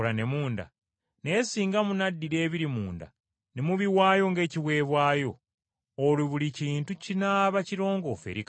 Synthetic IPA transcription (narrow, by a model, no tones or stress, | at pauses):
lane̞muːnda̰ | ne̞ːsiːŋɡamunadːiɾe̞ːβiɾimuːnda̰ | nemuβiwaːjoŋɡe̞ːciβwe̞ːβwaːjo̞ː | liβuliciːntucinaːβaciɾo̞ːŋɡo̞fḛɾik